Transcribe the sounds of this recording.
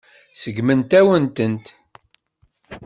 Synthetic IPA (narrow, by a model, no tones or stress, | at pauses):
səɡmənt̪æwənt̪ənt̪